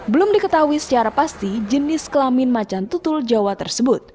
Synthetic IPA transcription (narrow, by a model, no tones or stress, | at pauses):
bəlʊmdikət̪auisə̥t͡ʃaɾapast̪id͡ʒənɪskəlamɪnmat͡ʃant̪ut̪ʊld͡ʒawat̪ərsəbʊt̪̚